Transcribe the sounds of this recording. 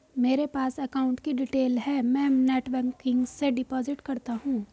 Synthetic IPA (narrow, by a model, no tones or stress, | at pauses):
meːɾepaːsɐkaːʊ̃ɳʈkiɖɪʈeːlɦɛːmɛ̃ːneːʈʋəɾkɪ̃ŋɡseɖɪpɔːzɪʈkɐɾt̪aɦũː